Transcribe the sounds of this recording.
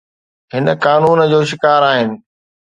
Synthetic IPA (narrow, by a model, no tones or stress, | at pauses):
ɦɪnəkaːnuːnd͡ʑoːʃɪkaːɾaːɦɪnɪ̆